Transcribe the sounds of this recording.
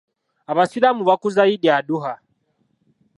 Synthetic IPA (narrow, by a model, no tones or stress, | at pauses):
aβasilamuβakuzaiɗiaɗuɦa